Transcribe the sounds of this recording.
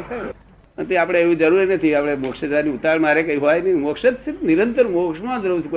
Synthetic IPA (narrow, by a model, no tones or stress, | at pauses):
ənt̪iapɽ̃eeʋid͡ʒəɾuɾinət̪ʰiapɽ̃emokʃəd͡ʒʋaniut̪aɭmaɾekəiɦɔjnimokʃət̪̚set̪niɾənt̪əɾmokʃmãd͡ʒəɾut͡ʃʰk